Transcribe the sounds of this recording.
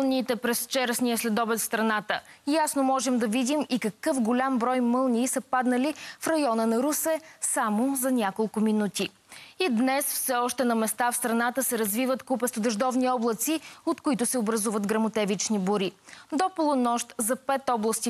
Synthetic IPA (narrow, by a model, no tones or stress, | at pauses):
nʲiːt̪ɛpɾɛst͡ʃɛɾɛsniəslɛd̪ɔbɛt̪fst̪ɾɐnat̪əjasnomɔʒɛmd̪ɐvid̪imikɐkɤfɡolʲambɾɔjmɤlˠniːsɐpad̪nɐlifɾɐjɔnənɐɾusɛsamozɐnʲakolˠkʊminut̪i | id̪nɛsfsɛɔʃt̪ɛnɐmɛst̪afst̪ɾɐnat̪əsɛɾɐzvivət̪kupɛst̪od̪ɐʒd̪ɔvniɔblˠɐt̪siot̪kʊit̪ʊsɛobɾɐzuvət̪ɡɾɐmot̪ɛvit͡ʃniboɾid̪opolˠʊnɔʃt̪zɐpɛt̪ɔblˠəst̪i